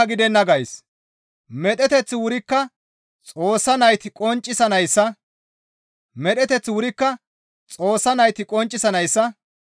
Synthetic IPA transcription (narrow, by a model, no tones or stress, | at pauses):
ɡɪd̪ɛnːɐɡɐjs | mɛɗ̪ɛt̪ɛt͡sːɪwʊɾɪkːɐ | t͡sʼo̞ːsːɐnɐjt̪ɪkʼɔnt͡ʃʼːɪsɐnɐjsːɐ | mɛɗɛt̪ɛt͡sːwʊɾɪkːɐ | t͡sʼo̞ːsːɐnɐjt̪ɪkʼɔnt͡ʃʼːɪsɐnɐjsːɐ